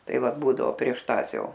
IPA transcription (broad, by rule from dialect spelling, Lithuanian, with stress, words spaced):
ˈtɐɪ ˈʋɐt ˈbuːdɐʋoː pʲrʲiɛʃ ˈtɑːs ˈjɛʊ